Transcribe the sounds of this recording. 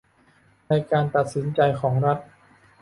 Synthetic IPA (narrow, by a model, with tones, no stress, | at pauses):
na˧jkaː˧nt̪a˨˩t̪̚si˩˦nt͡ɕa˧jkʰɔː˩˦ŋɾa˦˥t̪̚